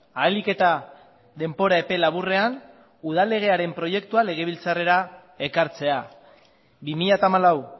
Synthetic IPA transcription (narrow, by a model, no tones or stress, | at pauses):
aelike̞t̪a | ðe̞mbo̞ɾae̞pe̞laβure̞an | uð̞ale̞ɣ̞e̞aɾe̞mpɾo̞je̞k̚t̪uale̞ɣ̞e̞β̞ilt͡sare̞ɾa | e̞kaɾt͡se̞a | bimiʎat̪aːmalaw